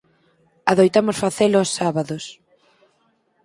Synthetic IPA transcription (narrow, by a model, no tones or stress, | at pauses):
aðojt̪amosfaθelosːaβaðos